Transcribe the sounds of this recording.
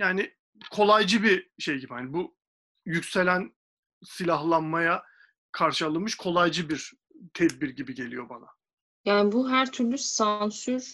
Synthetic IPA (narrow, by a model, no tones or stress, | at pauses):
jaːnɪ | kʰo̞lˠajd͡ʒɯbiʃe̞jɟibihanibu | jycʲse̞lʲæn | silʲaɦlˠanmaja | kʰaɾʃɯalˠɯmɯʃkʰo̞lˠajd͡ʒɯbiɾ | t̪ʰɛd̪̚biɾɟibiɟe̞lʲḭjo̞bana̰ | jaːnibuɦæɾt̪ʰyɾlʲysansyɾ